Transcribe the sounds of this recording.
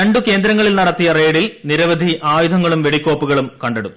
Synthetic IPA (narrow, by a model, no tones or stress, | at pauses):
ɾɐɳɖuke̞ːnd̪ɾɐŋːɐɭilnɐɽɐt̪ːijɐre̞ːɽilniɾɐʋɐd̪ʱiʔaːjud̪ʱɐŋːɐɭumʋe̞ɽikʲːo̞ːpːuɣɐɭumkɐɳɖeɽuː